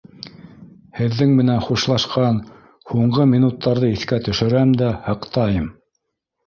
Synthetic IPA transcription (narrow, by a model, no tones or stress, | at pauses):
hɘ̆ðːɘŋmɘ̆nænχuʃlˠɑʃqɑn | huɴɢɤmʲinut̪ːɑɾðɤiθkæt̪ɵ̆ʃɵ̆ɾæmd̪æhɤ̆qt̪ɑjɤm